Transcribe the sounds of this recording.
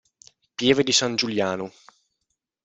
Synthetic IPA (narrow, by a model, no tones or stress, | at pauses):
pjɛːved̪isand͡ʒuljaːno